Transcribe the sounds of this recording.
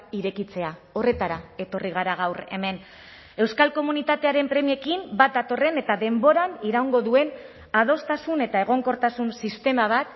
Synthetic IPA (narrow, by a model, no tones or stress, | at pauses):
iɾe̞kit͡se̞ao̞re̞t̪aɾae̞t̪o̞riɣ̞aɾaɣ̞awre̞̰me̞n | e̞wskalko̞munit̪at̪e̞aɾe̞mpɾe̞mie̞kimbat̪̚d̪at̪o̞re̞ne̞t̪aðe̞mbo̞ɾaniɾauŋɡo̞ðue̞n | að̞o̞st̪asune̞t̪ae̞ɣ̞o̞ŋko̞ɾt̪asunsist̪e̞maβ̞at̪